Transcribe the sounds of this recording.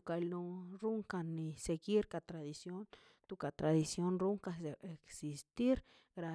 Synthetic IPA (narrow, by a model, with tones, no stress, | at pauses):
ka˧lnu˧ɾu˦ŋka˧nːi˧se˨ɡi˦ɾka˧˨t̪ɾa˨d̪i˨sjo˦n | t̪u˧ka˨t̪ɾa˨d̪i˨sjo˦nɾu˦ŋka˧˨se˨e˨ksi˨st̪i˦ɾ | ɡɾa˧